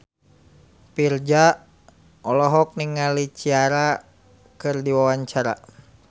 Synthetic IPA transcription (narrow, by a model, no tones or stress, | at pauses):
pird͡ʒa | ɔlɔɦɔk̚niŋalit͡ʃiaɾa | kɨrdiwawaɲt͡ʃaɾa̰